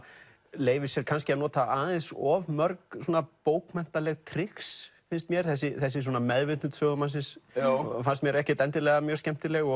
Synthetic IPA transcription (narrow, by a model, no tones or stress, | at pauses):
leːjvɪsjɛɾkʰanscɪanɔːt̪aaːðɛnsɔvmœɾksoːnapoːwkmɛn̥t̪alɛɣt̪ʰɾɪksfɪnst̪mjɛɾ̥θɛs̬ːɪθɛsːɪs̬ɔːnamɛðvɪt̪nʏt̪ʰœːɣʏmansɪnsfanst̪mjɛɾɛhcɪt̪ɛnt̪ɪlɛɣamjœ̥ːscɛm̥t̪ɪlɛɣɔ